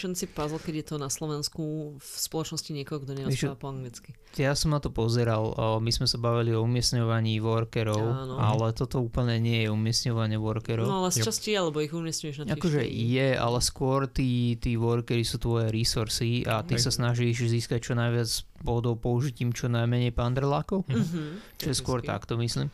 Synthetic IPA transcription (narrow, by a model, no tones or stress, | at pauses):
ʃɛnt͡sipazl̩kɛɟjɛt̪ɔnaslɔʋɛnskufspɔlɔt͡ʃnɔsciɲɪɛkɔɦɔɡd̪ɔɲɛɛɛapɔaŋɡlit͡ski | jasɔmnat̪ɔpɔzɛɾalmizmɛsabaʋiliɔumɪɛsɲɔʋaɲiːʋɔɾkɛɾɔʊanɔalɛt̪ɔt̪ɔuːpl̩ɲɛɲɪɛjɛumɪɛsɲɔʋaɲɛʋɔɾkɛɾɔalɛst͡ʃascialɛbɔiɣumɪɛsɲujɛʒnatakɔʒɛ̰jɛa̰lɛskʊɔɾt̪iːt̪iːʋɔɾkɛɾisuːt̪ʋɔjɛɾisuɾsiat̪isasnaʒiʃziːskac̚t͡ʃɔnajʋɪat͡sspɔd̪ɔʊpɔuʒiciːmt͡ʃɔnajmɛɲɛjpand̪ɾlakɔʊt͡ʃɔjɛskʊɔɾt̪a̰kt̪ɔmisliːm